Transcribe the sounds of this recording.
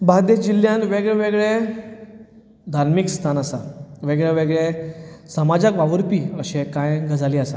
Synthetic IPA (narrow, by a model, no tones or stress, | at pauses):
bad̪ed͡ʑilːjãnʋeɡɭeʋeɡɭe | d̪ʱaɾmikst̪ʰanasa̰ʋeɡɭeʋeɡɭesəmad͡ʑakʋaʋəɾpiːəɕekãjŋɡad͡zʱaliːasa̰